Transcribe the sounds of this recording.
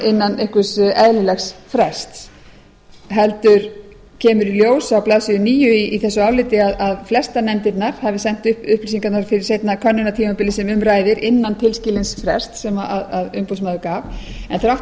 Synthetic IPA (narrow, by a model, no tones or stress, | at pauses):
ɪnːanehkvʏsʔɛðlɪlɛxsfɾɛst̪s | ɦɛlt̪ʏɾ̥ | cʰɛːmʏɾiljoːwsawplaːðsɪʏniːjʏiːθɛsːʏaːwlɪt̪ɪaðaðflɛst̪anɛmt̪ɪt̪naɾ̥havɪsɛn̥t̪ʏʏhpliːs̬iŋkat̪naɾfɪɾɪɾ̥sejt̪nakʰœnːʏnat̪ʰiːmapɪlɪsɛmʏmɾaːjðɪɾɪnːant̪ʰɪlscɪlɪnsfɾɛ̰st̪sɛmaaðaðʏ̰mpows̬maːðʏkaːvɛnθɾawht